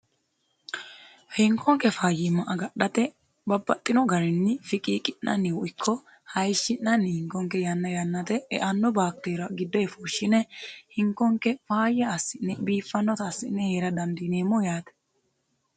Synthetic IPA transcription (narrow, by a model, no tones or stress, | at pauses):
hɪŋkːɔŋkːɛfaːjɪmɐʔɐɡɐɗɐt̪ɛ | bɐbːɐt̪ʼːɪnɔɡɐɾɛnːɪfɪkʼiːkʼɪnːɐ̰nːɪwɔʔɪkʰːɔ | hɐjʃːɪnːɐnːɪhɪŋkɔŋkːɛjɐnːɐjɐnːɐt̪ɛɛ̰ʔɐnːɔbaːk̚t̪eːɾɐɡɪd̪ːɔɛfuːʃːɪnɛhɪŋkːɔŋkɛfaːjːɐːsːɪnːɛbiːfːɐnːɔt̪ɐːsːɪnːɛheːɾɐd̪ɐmd̪ineːmːɔjaːt̪ɛ̥